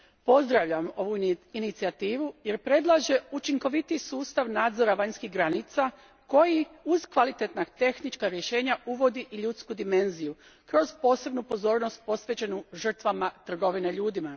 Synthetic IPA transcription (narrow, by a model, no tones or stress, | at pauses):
po̞zd̪ɾaʋʎamo̞ʋuinit̪siat̪iːʋuje̞ɾpɾe̞d̪lˠaʒe̞ut͡ʃiŋko̞ʋit̪isuːst̪aʋnaːd̪zo̞ɾaʋaɲskiɦɡɾanit̪sa | ko̞jiuz̥kʋalit̪et̪naɡt̪e̞xnit͡ʃkaɾje̞ʃe̞ːɲauʋo̞d̪iʔiʎut̪skud̪ime̞nziju | kɾo̞zpo̞ːse̞bnupo̞zo̞ːɾno̞st̪̚po̞sʋe̞t͡ɕe̞nuʒr̩t̪ʋamat̪r̩ɡo̞ʋineʎuːd̪ima